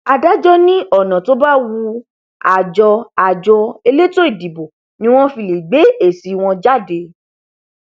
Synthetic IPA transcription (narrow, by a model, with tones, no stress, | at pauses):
a˧da˦d͡ʒɔ˦nĩ˦ɔ˦˨nã˨to˨˦ba˦wu˧ | a˨d͡ʒɔ˧a˨d͡ʒɔ˧e˧le˦to˦i˦˨di˨bo˨ | nĩ˦w̃ɔ̃˦fi˧˨li˨ɡ͡be˨˦e˦˨si˨˦w̃ɔ̃˧d͡ʒa˦˨de˧˦